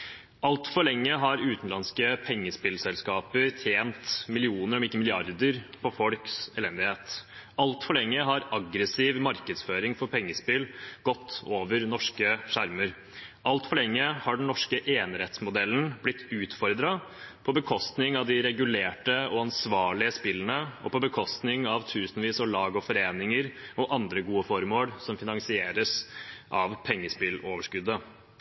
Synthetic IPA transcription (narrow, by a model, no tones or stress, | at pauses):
ɑlt̪fɔɭɛŋːəɦɑɾʉːt̪n̩lɑnskəpʰɛŋːəspɪlsɛlskɑːpəɾt̪ʰjeːnt̪mɪlɪuːnəɾɔmɪkːəmɪlɪɑɾd̪əɾpʰɔfɔlksɛlɛnd̪ɪheːt̪ɑlt̪fɔɭɛŋːəɦɑɾɑɡɾəsiːʋmɑɾkəd̪sføːɾɪŋfɔɾpʰɛŋːəspɪlɡ̥ɔt̪ʰːoːʋəɾnɔʂkəʂæɾməɾ | ɑlt̪fɔɭɛŋːəhɑɖɳ̩n̩nɔʂkəʔeːnɾɛt̪smʊd̪ɛlːən̩blɪt̪ʰːʉːt̪fɔɾd̪ɾɑ | pʰɔbəkʰɔst̪nɪŋɑʋd̪ɪɾɛɡʉleːʈəɔɑnsʋɑːɭɪəspɪlːənəɔpɔbəkʰɔst̪nɪŋɑʋt̪ʰʉːsənʋiːsɔɭɑːɡɔfɔɾeːnɪŋəɾɔʔɑnd̪ɾəɡuːəfɔɾmoːlsɔmfɪnɑŋsɪeːɾəsʔɑʋpʰɛŋːəspɪloːʋəʂkʉd̪ə